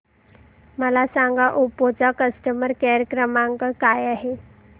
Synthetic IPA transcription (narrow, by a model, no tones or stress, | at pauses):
məlasãŋɡaʔupot͡sakəsʈəməɾkaɾjəkɾəmãŋkakajaɦe